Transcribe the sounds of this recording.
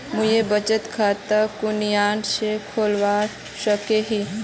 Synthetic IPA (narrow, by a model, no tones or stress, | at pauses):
mʊjebət͡ʃət̪kʰaːt̪əkʊnjaːnsekʰoːlwa | ʃəkeɦi